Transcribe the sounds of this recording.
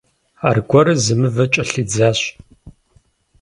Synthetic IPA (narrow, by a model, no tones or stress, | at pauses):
aːrɡʷɔɾɨzɨmɨvɐt͡ʃʼɐɬɨd͡zaːɕ